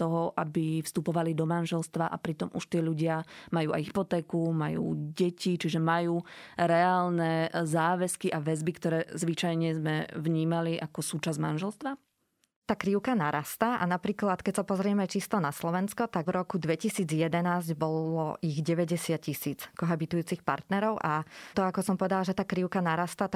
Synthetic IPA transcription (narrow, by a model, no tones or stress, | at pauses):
t̪ɔɦɔʔabifst̪upɔʋalid̪ɔmanʒɛlst̪ʋaʔapɾit̪ɔmʔuʃt̪ɪɛʎuɟɪamajuːʔa̰jɦipɔt̪ɛːkumajṵːɟɛcit͡ʃiʒɛmajuːɾɛaːlnɛzaːʋɛskiʔaʋɛzbikt̪ɔɾɛːzʋit͡ʃajɲɛzmɛʋɲiːmaliʔakɔsuːt͡ʃazmanʒɛlst̪ʋa | t̪aːkɾiʊkanaɾʔast̪aʔa̰napɾiːklat̪kɛcsapɔzɾɪɛmɛt͡ʃist̪ɔnaslɔʋɛnskɔt̪aɡvɾʔɔkud̪ʋɛcisiːd͡zjɛd̪ɛnaːzɟbɔlɔʔiɣɟɛʋɛɟɛsɪacisiːt͡skɔɦabit̪ujuːt͡sixpa̰ɾt̪nɛɾɔʊʔat̪ɔakɔsɔmpɔʋɛd̪alaʒɛt̪aːkɾiʊkanaɾast̪at̪